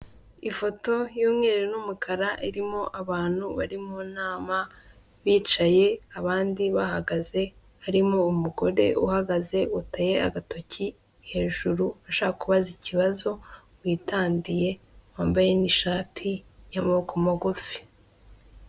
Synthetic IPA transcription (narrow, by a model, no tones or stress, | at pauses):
ifo̞to̞juːmŋeɾeɾenumukʰaɾaʔiɾimo̞ʔaβaːn̥huβaɾimonaːma | βiːt͡ʃaje̞aβaːndiβahaɡaze̞ | haɾimo̞umuɡo̞ɾe̞̰ʔuhaɡaze̞utaje̞a̰ɡato̞ci | he̞ːʒuɾuaʃaakuβaziciβazo̞ | wiːtaːndije̞waːmbaje̞niʃaːtʰijamaβokomoɡofi̥